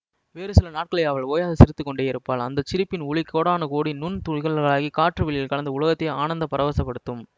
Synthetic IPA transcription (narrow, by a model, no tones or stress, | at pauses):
ʋeːɾɯsɪlɐnaːʈ̚kɐɭɐjaːʋɐɭoːjaːðɐsɪɾɯt̪ːɯkːɔɳɖeːɪɾɯpːaːlɐ̰nd̪ɐt͡ʃːɪɾɯpːɪnʊɭɪkːoːɽaːnɐkoːɽinʊnt̪ʊɻɣɐɭɣɐɭaːɣikaːʈrɯʋɪɭɪjɪlkɐlɐnd̪ɐʊɭɐɣɐt̪ːɐaːnɐnd̪ɐpɐɾɐʋɐsɐpːɐɽɯt̪ːɯm